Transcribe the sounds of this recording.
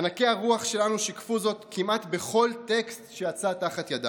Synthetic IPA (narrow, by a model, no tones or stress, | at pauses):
anake̞aʁuaχʃe̞lanuʃikfuzo̞tkʰimat̪be̞χo̞lte̞kstʃejat͡sataχat̪jada̰